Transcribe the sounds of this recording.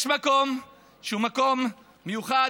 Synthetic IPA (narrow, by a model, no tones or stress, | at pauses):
ʃmako̞m | ʃeumako̞mː | ejuχa